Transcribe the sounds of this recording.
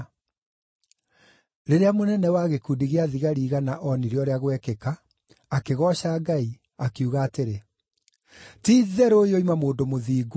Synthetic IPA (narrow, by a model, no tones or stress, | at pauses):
ɾeɾeamonɛnɛwaɣekuːdiɣeaðiɣaɾiːɣanaʔɔniɾeɔɾeaɣwɛkekaː | keɣɔɕaːɡai | akeuɣaːteɾe | tiːðɛɾojoimamoːndomoðiːɡo